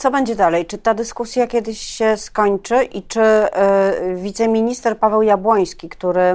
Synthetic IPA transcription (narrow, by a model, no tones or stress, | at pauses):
t̪sɔbɛɲd͡ʑɛd̪alɛjt͡ʂɘt̪ad̪ɘskusʲjakʲɛd̪ɘɕɕɛskɔɲt͡ʂɘʔit͡ʂɘ | vʲit̪sɛmʲiɲist̪ɛɾpavɛwjabwɔj̃skʲikt̪uɾɘ